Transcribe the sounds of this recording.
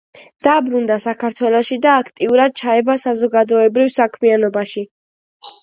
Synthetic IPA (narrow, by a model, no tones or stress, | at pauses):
d̪̥aːbɾund̪asakʰaɾt̪ʰwɛlˠɔʃid̪aːkʰt̪ʼiuɾad̪̥̚t͡ʃʰaɛbasazɔɡad̪ɔɛbɾivsakʰmianɔbaʃi